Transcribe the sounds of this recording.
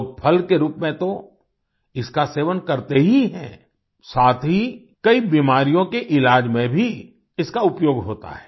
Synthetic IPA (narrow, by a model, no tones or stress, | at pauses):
pʰɐlkeɾuːpmẽt̪o | ɪskaseːʋənkɐɾt̪eɦiɦɛ̰̃ː | saːt̪ʰɦi | kɐibiːmaːɾijõkeʔɪlaːd͡ʒmẽbʱi | ɪskaʊpjoːɡɦoːt̪a̰ɦɛː